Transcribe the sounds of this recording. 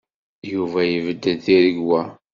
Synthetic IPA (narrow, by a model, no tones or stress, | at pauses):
juvæjəvəd̪ːəθiɾəɡwæ